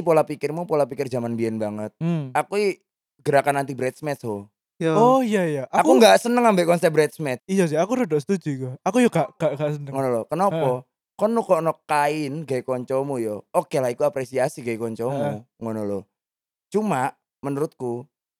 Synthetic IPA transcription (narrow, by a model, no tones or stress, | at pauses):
ipolapikɪrmupolapikɪrd͡ʒamanbiɛnbaŋət̪̚akui | ɡ̥əɾakanːant̪ibɾɛt̪̚smɛt̪sɦɔ | ɔjajaʔaakuŋɡasənəŋambɛʔkɔnsɛp̚bɾɛt̪̚smɛt̪ijas̬ɪakuɾədɔsə̥t̪ud͡ʒukɔakujɔɡaʔŋɡ̥aʔɡaʔsənəŋŋɔnɔlɔkənapɔ | kɔnːukɔʔnɔkːaɪnɡajkɔɲt͡ʃɔmujɔokelaikuapɾesiasiɡaikɔɲt͡ʃɔmu | ŋɔnɔlɔ | t͡ʃumaʔ | mənuɾʊt̪̚ku